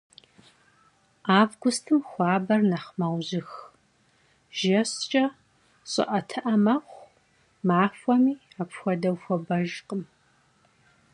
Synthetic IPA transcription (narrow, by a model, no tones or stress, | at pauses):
aːvɡʷʊstʰɨmxʷɑːbɐrnɐχmawʑɪx | ʒ̥ɐɕt͡ʃʼɐ | ɕʼɪ̰ʔɐtʰɨʔɐmɐχʷ | maːfʷɔmiːapʰxʷɔdɐwxʷɔbɐʒqʼəm